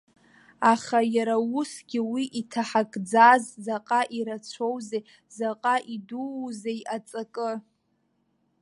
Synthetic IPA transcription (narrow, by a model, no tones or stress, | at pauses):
aχajaɾawusɡʲɪwiʔitʰaħakʼd͡zazzaqʼaʔiɾat͡sʷʰowzej | zaqʼaʔiduzejʔat͡sʼakʼɨ